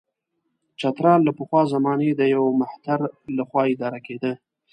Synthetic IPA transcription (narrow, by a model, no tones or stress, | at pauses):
t͡ʃat̪ɾɑnlapəxwɑzamɑned̪əjawmaht̪aɾlaxwɑɪd̪ɑɾaked̪ə